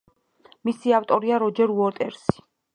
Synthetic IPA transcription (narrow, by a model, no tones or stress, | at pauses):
misiaft̪ʼɔɾiaɾɔd͡ʒɛɾuɔɾt̪ʼɛɾsi̥